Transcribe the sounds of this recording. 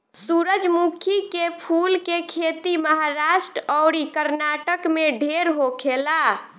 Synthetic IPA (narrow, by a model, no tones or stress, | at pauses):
suɾəd͡ʒmukʰikepʰulkekʰet̪iməɦaɾaʃʈɾəɔwɾikəɾnaʈəkmeɖʱeɾɦokʰela